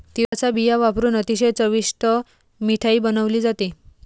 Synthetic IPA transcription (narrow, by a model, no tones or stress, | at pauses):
t̪iʋat͡sabijaʋapɾuːnət̪iɕejt͡səʋisʈə | miʈʰaiːbənəʋliːd͡zat̪i